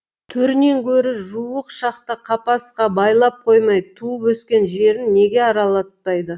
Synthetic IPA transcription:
t̪ʰɵɾne̞ŋkʲʰɵɾɪʒuəqʃɑqt̪əqʰɑpɑsqɑbɑjlˠɑp̚qʰo̞jmɑjt̪ʰuəpɵskʲe̞nʒe̞ɾɪnːe̞ɡʲe̞ɑɾɑlˠɑt̪̚pɑjd̪ə

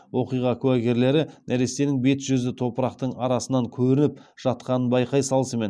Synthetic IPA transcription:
wo̞qijʁɑkʲʰʉwæɡʲe̞ɾle̞ɾɪnæɾe̞se̞nɪŋbe̞t̪ʒ̥ʏzɪt̪ʰo̞pəɾɑqt̪əɴɑɾɑsənɑŋkʲʰɵɾɪnɪp̚ʒ̥ɑt̪̚qɑnənbɑjqɑjsɑlˠəsəme̞n

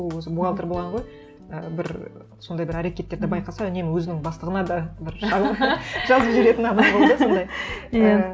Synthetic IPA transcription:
wɵzɪbuɑlˠt̪əɾbolˠʁɑɴʁo̞j | əbɪɾ | so̞nd̪ɑjbɪɾæɾe̞kʲe̞t̪ːe̞ɾd̪ɪbɑjqɑsɑʏne̞mɪwɵzɪnɪŋbɑst̪əʁənɑd̪ɑbɪɾʒɑʒɑzəpʒʏɾe̞t̪ɪnɑnɑjbold̪əeso̞nd̪ɑjja

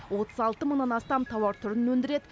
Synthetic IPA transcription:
wo̞t̪əzɑlˠt̪əməɴnɑnɑst̪ɑmt̪ʰɑwɑɾt̪ʰʊɾɪnwɵnd̪ɪɾe̞d̪ɪ

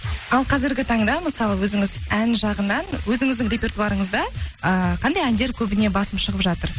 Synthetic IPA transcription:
ɑlˠqʰɑzɪɾɡʲɪt̪ʰɑɴd̪ɑməsɑlˠəwɵzɪŋɪzænʒɑʁənɑnwɵzɪŋɪzd̪ɪŋɾʲe̞pʲe̞rt̪uɑɾəɴəzd̪ɑəqʰɑnd̪ɑjænd̪e̞ɾkʲʰɵbɪne̞bɑsəmʃəʁəpʒɑt̪əɾ

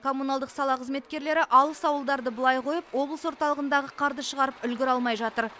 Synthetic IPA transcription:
kʰo̞munɑlˠd̪əqsɑlˠɑqʰəzme̞t̪̚kʲe̞ɾle̞ɾɪʔɑlˠəsɑwəlˠd̪ɑɾd̪əbəlˠɑjqʰo̞jəpwo̞blˠəswo̞ɾt̪ɑlˠəʁənd̪ɑʁəqʰɑɾd̪əʃəʁɑɾəpʏlɡʲɪɾɑlˠmɑjʒɑt̪əɾ

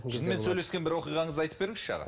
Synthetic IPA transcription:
ɪzmensɵjle̞skʲenbɪɾwo̞qijʁɑɴəzɑjt̪ə̥p̚be̞ɾɪŋɪz̥ʃɑ̰ʁɑ̰

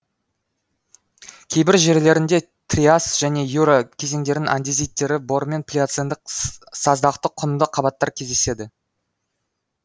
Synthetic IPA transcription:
kʲʰe̞jbɪɾʒe̞ɾle̞ɾɪnd̪e̞ | t̪rʲiasʒ̥æne̞juɾakʲʰe̞ze̞ŋd̪e̞ɾɪŋʔa̰nd̪izijt̪ːe̞ɾɪbo̞ɾme̞npʲlʲijat̪send̪ɪqsɑzd̪ɑqt̪əqʰʊnd̪əqʰɑbɑt̪ːɑɾkʲʰe̞zd̪e̞se̞d̪ɪ

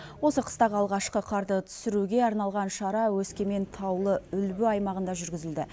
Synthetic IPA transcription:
wo̞səqʰə̥st̪ɑʁəɑlˠʁɑʃqəqʰɑɾt̪ət̪ʰʏ̥sɪɾuɡʲe̞ɑɾnɑlˠʁɑnʃɑɾɑwɵskʲe̞me̞nt̪ʰɑwlˠəʏlbɪɑjmɑʁənd̪ɑʒʏɾɡʲɪzɪld̪ɪ

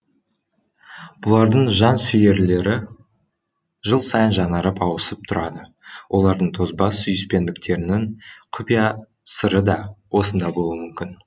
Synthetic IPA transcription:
b̥ʊlˠɑɾd̪əɴʒɑnsʏje̞ɾle̞ɾɪ | ʒəlˠsɑjənʒɑnɑɾəpɑwəsəp̚t̪ʰʊɾɑd̪ə | wʔo̞lˠɑɾd̪əɴt̪ʰo̞zbɑsːʏjɪspe̞nd̪ɪkt̪ʰe̞ɾɪnɪŋqʰʊpija | səɾəd̪ɑwʔo̞sənd̪ɑbo̞lˠuəmʏmkʲɪn

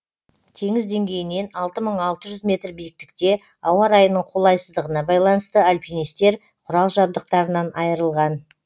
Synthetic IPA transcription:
t̪ʰe̞ŋɪzd̪e̞ŋɡʲe̞jɪne̞nɑlˠt̪əməɴɑlˠt̪əʒʏzmʲe̞t̪rbijɪk̚t̪ɪ̥k̚t̪e̞ | ɑwɑɾɑjənəɴqʰo̞lˠɑjsəzd̪əʁənɑbɑjlˠɑnəst̪əalʲpʲinijst̪e̞ɾ | qʰʊɾɑlˠʒɑb̚d̪əq̚t̪ɑɾənɑnʔɑjəɾəlˠʁɑn

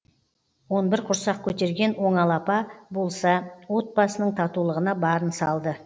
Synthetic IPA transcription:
wo̞nbɪɾqʰʊɾsɑq̚kʲʰɵt̪e̞ɾɡʲe̞nwo̞ɴɑlˠɑpɑbo̞lˠsɑwo̞t̪̚bɑsənəɴt̪ʰɑt̪ulˠəʁənɑbɑɾənsɑlˠd̪ə

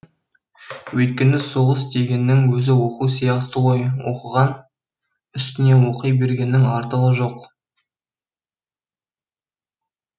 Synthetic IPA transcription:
wɵjt̪̚kʲe̞nɪso̞ʁəst̪e̞ɡʲe̞nːɪŋwɵzɪwo̞qusijɑqt̪əʁojwoqəʁɑn | ʏst̪ɪne̞wo̞qəjbe̞ɾɡʲe̞nːɪŋɑɾt̪əʁəʒo̞q

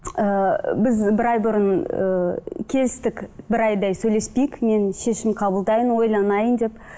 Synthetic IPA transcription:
əbɪzbɪɾɑjbʊɾənə̰kʲʰe̞zɪst̪ɪkbɪɾɑjd̪ɑjsɵjle̞spejɪkme̞nʃe̞ʃɪmqʰɑbəlˠd̪ɑjənwo̞jlˠɑnɑjənd̪e̞p

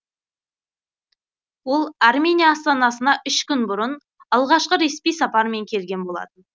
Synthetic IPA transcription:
wo̞lˠarmʲe̞nʲijaːst̪ɑnɑsənɑʔʏʃkʲʏnbʊɾən | ɑlˠʁɑʃqəɾe̞spijsɑpɑɾme̞ŋkʲʰe̞lɡʲe̞nbo̞lˠɑ̰t̪ən

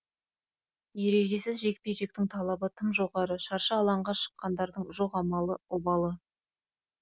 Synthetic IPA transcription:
je̞ɾe̞ʒe̞sɪzʒe̞k̚pejʒe̞k̚t̪ɪŋt̪ʰɑlˠɑbət̪ʰəmʒo̞ʁɑɾəʃɑɾʃəɑlˠɑɴʁɑʃə̥qːɑnd̪ɑɾd̪əɴʒoqɑmɑlˠəobɑlˠə

